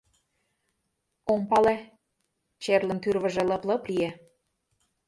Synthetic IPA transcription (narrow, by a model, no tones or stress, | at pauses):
oŋpɑle | t͡ɕerlə̆nt̪yrβə̆ʒĕlɤ̆plɤ̆plie